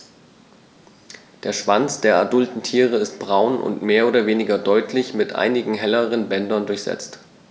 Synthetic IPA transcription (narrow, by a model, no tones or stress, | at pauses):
d̥eːɐʃv̥ant͡sd̥eːɐadʊltn̩tʰiːʁ̞əɪst̚b̥ʁaʊnʔʊ̰ntmeːɐoːɾɐveːnɪɡɐdɔʏtʰlɪçmɪtʔa̰ɪnɪɡŋ̩ɦɛləʁ̞ənbɛndɐndʊɐçz̥ɛ̰t͡st